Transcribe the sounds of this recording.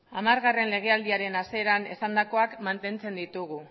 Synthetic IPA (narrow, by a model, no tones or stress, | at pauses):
amaɾɣare̞nle̞ɣ̞e̞ald̪iaɾe̞nase̞ɾane̞sand̪ako̞akmant̪e̞nt͡se̞nd̪it̪uɣ̞u